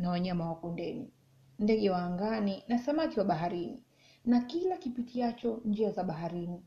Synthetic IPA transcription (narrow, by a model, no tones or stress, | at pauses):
nawaɲamawakɔndɛni | ndɛɠɛwaːŋɡaninasamakiwaɓaɦaɾinḭ | nakilakipitʰiat͡ʃɔnd͡ʒiazaɓaɦaɾini